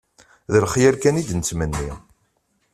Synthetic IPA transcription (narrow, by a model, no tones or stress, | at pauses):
ðəlχjæɾkænid̪nt͡sːmənːi